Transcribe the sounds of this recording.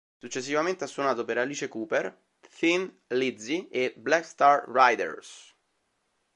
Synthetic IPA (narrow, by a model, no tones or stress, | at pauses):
sut͡ʃːesːivament̪easːwonaːt̪opeɾaliːt͡ʃekuːper | θin | lid̪zieblɛkst̪arːajd̪ḛrs